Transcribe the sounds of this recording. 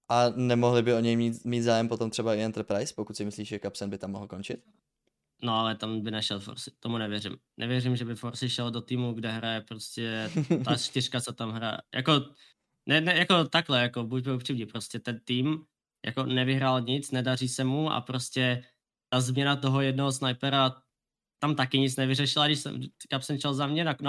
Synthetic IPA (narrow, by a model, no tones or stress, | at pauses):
ʔanɛmoɦlɪbɪo̞ɲɛjmiːt̪miːt̪zaːjɛmpot̪o̞mt̪r̥ɛbaɪɛnt̪r̩pɾajspokut̪sɪmɪsliːʃʒɛkapsɛnbɪt̪amːoɦl̩ko̞nt͡ʃɪt̪ | noalɛt̪ambɪnɛʃɛlfo̰ɾsɪ̥t̪omunɛvjɛɾɪ̰m | nʔɛ̰vjɛrɪmʒɛbɪfoɾsɪʃɛldot̪iːmuɡdɛɦɾajɛpɾoscɛt̪at͡ʃt̪ɪr̥kat͡sot̪amɦɾa̰ja̰ko | nɛnɛjako̞t̪aɡlɛjako̞bucbɪlpr̥imɲipɾo̞scɛt̪ɛnt̪iːm | ja̰ko̞nɛvɪɦɾaːlɲɪt͡snɛdariːsɛmuʔa̰pɾoscɛ | t̪azmɲɛnat̪o̞ɦojɛdnoɦosnajpɛɾa | t̪amt̪akɪɲɪt͡snɛvɪrɛʃɪladɪʃsɛ̰mkapsɛmt͡ʃɛlzamɲɛnakn